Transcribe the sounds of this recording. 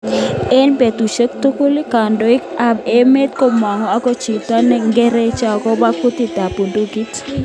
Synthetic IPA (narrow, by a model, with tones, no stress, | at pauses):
e˦npe˨t̪u˨ʃə˦k̚t̪o˦ko˦li˦ka˨ndɔ˨ɪ˦ka˦be˦me˦t̪̚kɔ˦ma˨ŋɔ˨a˦kɔ˦t͡ʃi˨t̪a˦nɛ˦ŋɡɛ˦ɾɛ˦t͡ʃa˨kɔ˦ba˦ku˦t̪i˦˨t̪a˨po˨do˦ɡi˦t